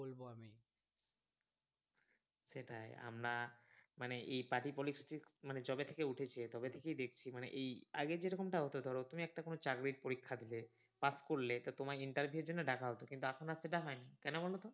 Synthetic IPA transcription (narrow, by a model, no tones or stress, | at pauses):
bolboami | seʈaḛa̰mɾamaneʔejpaʈipolisʈikmaned͡ʑɔbet̪ʰekeuʈʰet͡ɕʰet̪ɔbet̪ʰekejd̪ek̚ʰt͡ɕʰimanḛʔeja̰ɡed͡ʑeɾɔkomʈaɦot̪od̪ʱɔɾot̪umiɛk̚ʈakonot͡ɕaɡɾiʈ̚poɾikʰːad̪ile | paskoɾlet̪at̪omaɾiɳʈaɾbʱijueɾd͡ʑonːeɖakʰaɦot̪okint̪uakʰonaseʈaɦɔenikɛnobɔlot̪o